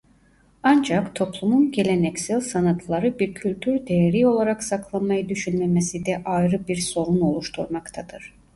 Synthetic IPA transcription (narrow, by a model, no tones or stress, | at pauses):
and͡ʒakt̪ʰo̞plˠumunɟe̞lʲenɛcsælʲsanat̪ʰlˠaɾɯbiɾcʰylʲt̪ʰyɾd̪e̞jeɾio̞lˠaɾaksakʰlˠanmajɯd̪yʃynmemesid̪ɛʔajɾɯbiɾso̞lˠuno̞lˠuʃt̪ʰuɾmakt̪ʰad̪̥ɯɾ̥